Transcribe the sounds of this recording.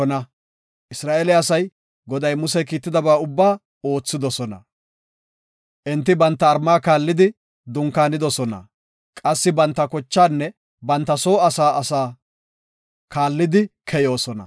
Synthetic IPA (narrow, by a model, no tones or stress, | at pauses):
ɔnɐ | ʔɪsɾaːʔɛlɛɐsɐj | ɡɔd̪ɐjmʊsɛkiːt̪ːɪd̪ɐbaːʊbːaː | o̞ːt͡sːɪd̪ɔsɔnɐ̰ | ʔɛnt̪ːɪbɐnt̪ːɐːɾmaːkaːlːɪd̪ɪ | d̪ʊŋkaːnɪd̪ɔsɔnɐ̰ | kʼɐsːɪbɐnt̪ːɐkɔt͡ʃːaːnːɛ | bɐnt̪ːɐso̞ːɐsaːɐsaː | kaːlːɪd̪ɪkʰɛjo̞ːsɔnɐ̰